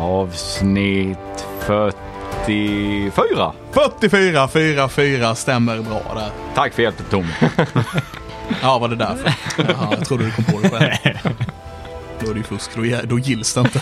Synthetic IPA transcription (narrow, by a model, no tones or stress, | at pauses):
ɑːvsnɪt̪fœʈːɪfyːɾa̰ | fœʈːɪfyːɾafyːɾafyːɾast̪ɛmːəɾbɾɑ̰ːd̪æɾt̪ʰakːfœɾjɛlt̪ət̪ʰːʊm | ɑːvad̪ɛd̪æɾfœɾjɑt̪ʰɾuːɖɛdɪkʰɔmːpʰɛoːd̪ɛɧɛl | d̪oæɾɛjʏfɵskd̪ɔjɛd̪ɔjɪlːsd̪ɛənt̪ə